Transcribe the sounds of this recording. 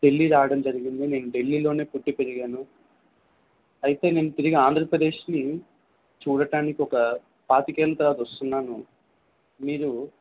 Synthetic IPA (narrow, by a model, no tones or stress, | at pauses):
t̪e̞lːiɾaːʋɐɽɐmd͡ʒɐɾiɡind̪ine̞ːnuɖe̞lːiːlo̞ːne̞ːpuʈːipeɾiɡaːnu | ɐjit̪e̞ːne̞ːnut̪iɾiɡiaːnd̪ʱɾɐpɾɐd̪e̞ːʂni | t͡ʃuːɽɐɖaːnikiɔkɐ | paːt̪ikɛːlɐt̪ɐɾaːt̪ɐɐst̪unːaːnu | miːɾu